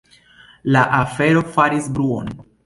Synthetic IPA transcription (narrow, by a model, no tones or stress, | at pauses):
laʔafe̞ɾo̞faɾisbɾuo̞̰n